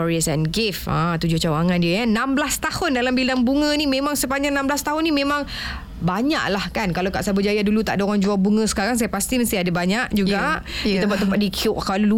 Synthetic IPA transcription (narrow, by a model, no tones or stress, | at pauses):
ɔɾiəsɛnɡɪfã̰t̪ud͡ʒʊht͡ʃawaŋãndiəjanãmblast̪ahʊndalambilaŋbuŋə̃nimẽmãŋsəpaɲanãmblast̪aɦʊnĩmẽmãŋ | baɲa̰ʔlahkankalawka̰ʔsabəd͡ʒajadulut̪aʔdoɾaŋd͡ʒuabuŋə̃sə̥kaɾaŋs̬ajapast̪iməst̪iadabaɲaʔd͡ʒuɡaʔdit̪əmp̬aʔ̚t̪əmpaʔdikʰiʊʔkalulu